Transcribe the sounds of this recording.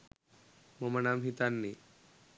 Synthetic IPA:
momɐnamɦit̪anːi

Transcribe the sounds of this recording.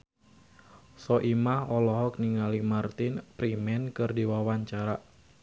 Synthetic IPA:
sɔʔimahɔlɔɦɔk̚niŋalimart̪ɪnpɾimɛnkɨrdiwawaɲt͡ʃaɾa

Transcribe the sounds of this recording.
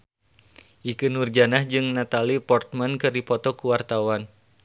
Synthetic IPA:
ʔikɨnurd͡ʒanahd͡ʒɨŋnat̪alipɔrt̪̚mankɨrdipɔt̪ɔkuwart̪awan

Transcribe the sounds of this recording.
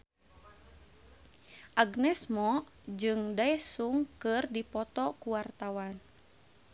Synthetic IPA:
ʔaɡnɛsmɔ | d͡ʒɨŋdaɛsuŋkɨrdipɔt̪ɔkuwart̪awan

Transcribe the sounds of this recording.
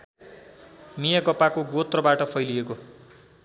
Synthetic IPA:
mijaɡʌpakoɡot̪rʌbaʈʌpʰʌjlieko

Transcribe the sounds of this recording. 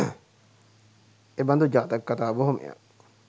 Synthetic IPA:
eband̪ud͡ʒaːt̪əkːat̪aːboɦomʔḛja̰

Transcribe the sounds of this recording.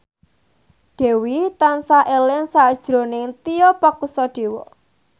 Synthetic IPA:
ɖ̪̥e̤wit̪ansaʔelɪŋsad̥ʒ̥ɾo̤nɪŋt̪ijɔpakusɔɖ̥e̤wɔ

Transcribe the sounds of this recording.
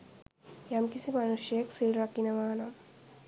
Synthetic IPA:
jamkisimɐnuʂjɐksilrɐkːinɐmaːnɐ

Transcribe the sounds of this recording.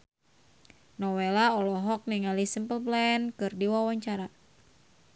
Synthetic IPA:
nɔwelaɔlɔɦɔk̚niŋalisimpəlplɛnkɨrdiwawaɲt͡ʃaɾa

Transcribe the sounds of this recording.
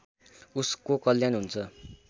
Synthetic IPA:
uskokʌljanɦunt͡sʰʌ

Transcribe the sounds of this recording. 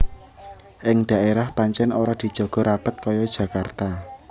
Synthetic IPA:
ʔɪŋɖ̥a̤ʔeɾahpaɲt͡ʃɛnoɾad̪̥i̤d̥ʒ̥ɔ̤ɡ̥ɔ̤ɾab̥ət̪̚kɔjɔd̥ʒ̥ä̤kart̪a

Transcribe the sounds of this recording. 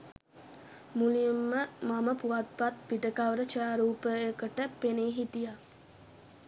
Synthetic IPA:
mulimːəmaməpuʋat̪̚pat̪̚piʈəkaʋəɾət͡ʃaːɾuːpəekəʈəpeneɦit̪ija

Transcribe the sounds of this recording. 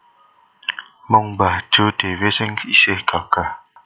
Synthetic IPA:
məŋbḁd͡ʒod̥ewesɪŋisɪhkaka

